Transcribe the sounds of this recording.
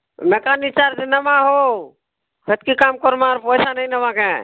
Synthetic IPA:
meːkanit͡ʃaːɾd͡ʒenəmãɦo | kət̪kikaːmkɔɾmaɾpɔɪsanəinəʋãkeː

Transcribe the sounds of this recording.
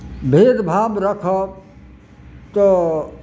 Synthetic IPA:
bʱeːd̪bʱaːbɾəkʰə | t̪o

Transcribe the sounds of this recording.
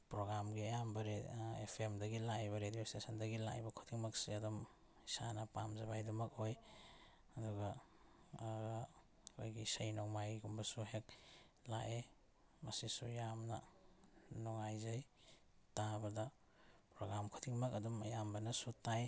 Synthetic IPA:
pɾoɡɾamɡiɐjambɐɾeepʰemdɐɡilajbɐɾediostesɐndɐɡila̰jbɐkʰutʰiŋmɐksiɐdum | isa̰nɐpamzɐbajdumɐkoj | ɐduɡɐ | kʰojɡisɐjnoŋmajɡumbɐsuɦek̚ | la̰ʔe | mɐsisujamnɐ̰ | nɔŋajzaj | tabɐda | pɾoɡɾamkʰutʰiŋmɐkɐdumɐ̰jambɐnɐsutaj

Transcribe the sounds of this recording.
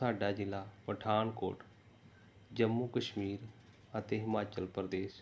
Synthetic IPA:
aːɖaːd͡ʒɪlːaːpəʈʰaːnko̰ːʈ | d͡ʒəmːuːkəʃmiːɾ | ət̪eːɦɪmaːt͡ʃəlpɾd̪eːʃ

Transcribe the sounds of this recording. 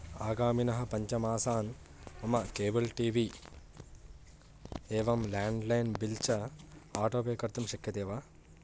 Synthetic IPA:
aːɡaːminɐɦɐ̆pɐɲt͡ʃɐmaːsaːn | ɐmɐkeːbɐlʈiːʋiː | eːʋɐmlaːɳɖlɐjnbilt͡ʃɐaːʈoːpeːkɐɾt̪ɐmʃɐkjɐt̪eːʋaː

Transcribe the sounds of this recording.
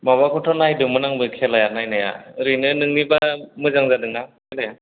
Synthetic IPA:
maβakʰɔʈʰɔnajdɯmɯnaŋbɯkʰɛlajanajnaja̰ɾɯnɯnɯŋnibamɯzaŋzadɯŋakʰɛlaja

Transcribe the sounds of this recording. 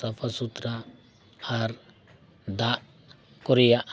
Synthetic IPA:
əpʰasut̪ɾaː | ɾ | d̪aʔ | kɔɾijaʔ

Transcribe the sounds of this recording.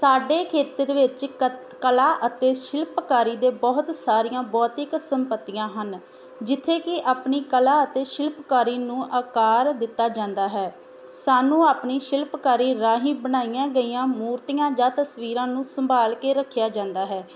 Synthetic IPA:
saːɖeːkʰeːt̪əɾʋɪt͡ʃ | kəlaːʔət̪eːʃɪlpkaːɾiːd̪eːbɔːt̪saːɾijãːbɔːt̪ɪksəmpət̪ːijãːɦən | d͡ʒɪt̪ʰːeːkɪʔaːpniːkəlaːət̪eːʃɪlpkaːɾiːnũːʔaːkaːɾd̪ɪt̪ːaːd͡ʒãːnd̪aːɦɛː | saːnũːaːpɳiːʃɪlpkaːɾiːɾaːɦĩːbənaːijãːɡəiːãːmuːɾt̪ijãːd͡ʒãːt̪əsʋiːɾãːnũːsəmbaːlkeːɾəkʰːjaːd͡ʒãːnd̪aːɦɛː

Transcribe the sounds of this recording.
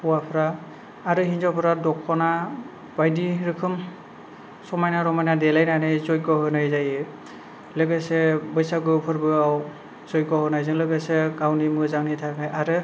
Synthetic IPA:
pɔwapʰɾaː | ɾɯɦinzɔpʰɔɾadɔkʰːɔna | bajdiɾɯkʰɯm | sɔmajnaɾɔmajnadɛlajnajnajzɔj̚ɡɔɦɯnajzajɯ | lɯɡasebɔjsaɡɯpʰɯɾbɯaw | z̥ɔj̚ɡɔɦɯnajzɯŋlɯɡaseɡawnimɯzaŋnitʰakʰajaɾɯ

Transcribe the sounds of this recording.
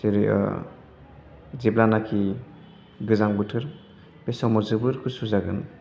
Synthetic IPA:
seɾḭ | ziblanakʰi | ɡɯzaŋbɯtʰɯɾ | besɔmɔzɯbɯɾkʰɯsuzaɡɯn

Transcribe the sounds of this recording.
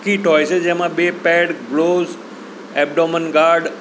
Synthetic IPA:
kiʈɔːɪsed͡ʑɛ̃ɦmãɓeːpɛːɖɡloːz | ɛːb̚ɖɔmənɡaːɾɖ

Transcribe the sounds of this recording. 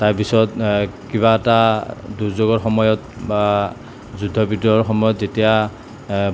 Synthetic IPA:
taɹpisɔtkiβaɛtaduɹzoɡɔɹxɔmɔjɔtba | zudʱːɔbidɔɹxɔmɔjɔtzetija

